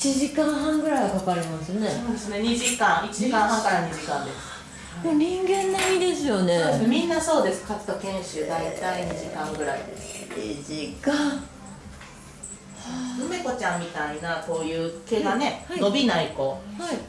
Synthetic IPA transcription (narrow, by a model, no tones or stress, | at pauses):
it͡ɕiʑikãɰ̃ɦãŋɡɯ̟ɾaiakakaɾimasɨneoːd̪esɨne̞ɲ̟iʑikãɰ̃it͡ɕiʑikãɰ̃ɦãŋkaɾaɲ̟iʑikãnd̪e̞sɨ̥ | moɲ̟ĩŋɡẽ̞nːaid̪e̞sɨjo̞nesmʲĩnːaso̞ːd̪e̞sɨ̥kat͡sɨ̥t̪akẽ̞ɰ̃ɕɨːd̪ait̪aiɲiʑikãŋɡɯ̟ɾa̰ḭd̪ḛsɲḭʑikã | ɯme̞ko̞t͡ɕãmmʲit̪ainako̞ːjɯ̟ːke̞ɡane̞no̞bʲinaikoi